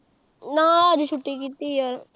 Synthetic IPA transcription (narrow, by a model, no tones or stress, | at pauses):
nãːəd͡ʒʃʰʊʈːikiːt̪iːɔɾ